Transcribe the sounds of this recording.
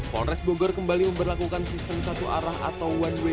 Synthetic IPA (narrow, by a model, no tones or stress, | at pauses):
kɔ̰nɾɛsboɡɔrkəmbaliməmbərlakukansist̪əmsat̪uʔaɾaha̰t̪awwanwe